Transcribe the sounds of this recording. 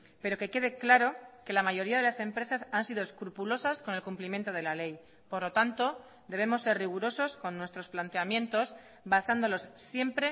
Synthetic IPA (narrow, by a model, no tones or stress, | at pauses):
pe̞ɾo̞ke̞ke̞ð̞e̞klaɾo̞ke̞lamaʝo̞ɾiaðe̞lase̞mpɾe̞sasansiðo̞eskɾupulo̞sasko̞ne̞lkumplimje̞nt̪o̞ð̞e̞lale̞j | po̞ɾlo̞t̪ant̪o̞ | d̪e̞β̞e̞mo̞sːe̞ɾrriɣ̞uɾo̞so̞sko̞nːwest̪ɾo̞splant̪e̞amjẽ̞nt̪o̞s | basand̪o̞lo̞sːje̞mpɾe̞